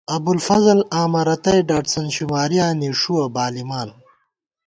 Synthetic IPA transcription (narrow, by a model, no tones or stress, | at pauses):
ɐbulfɐzɐlaːmɐɾɐt̪ɐjɖaːʈsɐnɕimaːɾijaːniʂuɐbaːlimaːn